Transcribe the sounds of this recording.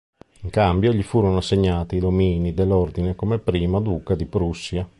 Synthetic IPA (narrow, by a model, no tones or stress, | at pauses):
iŋkambjoʎifuːɾonoasːeɲːaːt̪iːd̪omiːnid̪elːord̪inekomepɾiːmad̪uːkad̪ipɾusːja